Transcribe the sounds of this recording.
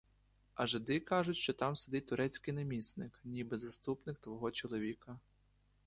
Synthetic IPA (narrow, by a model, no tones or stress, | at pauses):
ɐʒɪd̪ɪkɑʒʊtʲʃt͡ʃɔt̪ɑmsed̪ɪt̚ʲt̪ʊɾʔɛt͡sʲkɪjnɐmʲisnɪknʲibɪzɐst̪upnɪk̚t̪ʋɔɦɔt͡ʃɔlˠɔʋʲikɐ